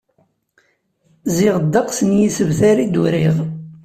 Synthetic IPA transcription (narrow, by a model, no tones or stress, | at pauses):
ziʁəd̪ːɑqsənjisəvθaɾid̪uɾiʁ